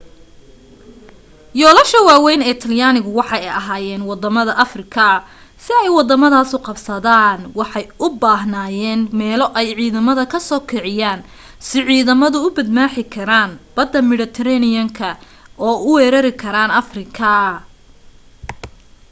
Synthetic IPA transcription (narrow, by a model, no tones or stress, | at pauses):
jɔːlɐʃɐwaːwɛjnɛːt̪ʰɐljaːnɪɣʊwɑħɑjɛjɐɦaːjɛːnwɑd̪ɐmɐðɐʔɐfrɪkʰɐ | sɪɛjwɑd̪ɐmɐðaːsʊqɑbsɐðaːnwɑħɑjʔʊbaːɦnaːjɛːnmɛːlɔʔɛjʕiːðɐmɐðɐkʰɐsɔːkʰɛʕɪjaːn | sɪʕiːðɐmɐðʊʊbɐd̪maːħɪkʰɐɾaːnb̥ɐd̪ːɐmɪɽɪt̪ʰɐɾɛnɪjɐŋkʰɐ | ʔɔːʊwɛːɾɐɾɪkʰɐɾaːnɐfrɪkʰɐ